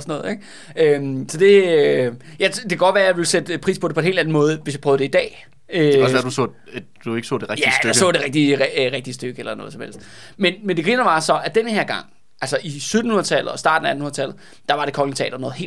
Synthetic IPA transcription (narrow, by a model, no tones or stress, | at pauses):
sɒnɔ̽ːð̩ˠeɡ̥ | ømsɒ̽d̥e̝ | jɑɪd̥e̝kʰæɡ̥ɒ̥̽ʋæːɐjɑ̈ʋe̝lsed̥əpʰʁḭːspʰɒ̽de̝ɒ̽enhe̝̰ld̥æn̩mɔ̽ːð̞̩ˠʋe̝sjɑ̈pʰœːð̞ˠd̥eid̥ɛ̰ː | øsædusɔ̰ | d̥ue̝ɡ̥sɔ̰ːd̥e̝ʁɛɡj̥isj̥øaɡsɔ̰̽ːd̥e̝ʁeɡ̥̚d̥iʁeɡ̥̚d̥iəsd̥øɡ̥əelɐnɔ̽ð̩ˠsɒmel̰sd̥ | menmend̥eɡ̥ʁiːnɐʋɑ̈sɒ̽æd̥enhe̝ɐɡ̥ɑ̈ŋ̰ | ʔælsɒʔisøðd̥n̩hunɐðˠt͡sʰæl̰ð̩ˠɒ̽sd̥ɑ̈ːdn̩ææn̩hunðˠt͡sʰælð̩ˠ | d̥ɑ̈ʋɑ̈ɾ̥e̝kʰɒ̽lŋt͡sʰɛ̰ːdɐnɔ̽ːð̩ˠe̝̰